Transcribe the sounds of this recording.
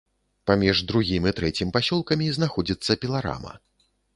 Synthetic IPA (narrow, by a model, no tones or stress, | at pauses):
pamʲiʐd̪ɾuɣʲimit̪ɾɛt͡sʲimpasʲɔlˠkɐmʲiznaxɔd͡zʲit̪sːɐpʲilˠaɾa̰mɐ̰